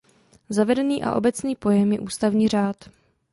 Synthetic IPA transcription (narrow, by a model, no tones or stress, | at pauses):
zavɛdɛniːʔa̰ʔo̞bɛt͡sniːpo̞jɛmjɛʔuːst̪avɲiːr̝aːt̪